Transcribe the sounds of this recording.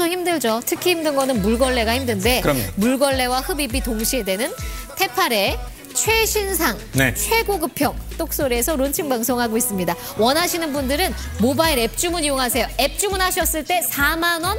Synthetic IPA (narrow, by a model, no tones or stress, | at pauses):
oçimdɯɭd͡ʑotʰɯkʰihimdɯnɡʌnɯnmuɭɡʌɭːe̞ɡahimdɯnde̞ʌmomuɭɡʌɭːe̞wahɯbibitoŋɕʰie̞dwe̞nɯntʰe̞pʰaɾe̞ | t͡ɕʰwe̞ɕʰinsʰaŋnet͡ɕʰwe̞ɡoɡɯpʰjʌŋ̚t͈ok̚s͈oɾieːsʰʌɾont͡ɕʰiŋbaŋsʰoŋɦaɡois͈ɯmɲida | wʌnɦaɕʰinɯnbundɯɾɯnmobaiɾe̞p̚t͡ɕ͈umɯnijoŋɦasʰe̞joe̞p̚t͡ɕ͈umunɦaɕʰʌs͈ɯɭt͈e̞sʰamanwʌn